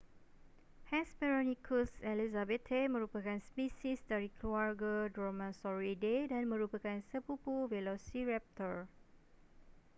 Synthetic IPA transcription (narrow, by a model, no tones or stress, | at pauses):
hɛ̃sbɛɹonĩkʰusɛlizabɛt̪ʰemə̃ɾupakanspisisdaɾikluarɡodɹomãnsɔɹidedanmə̃ɾupakansəpupuvelosiɹɛp̚t̪əɹ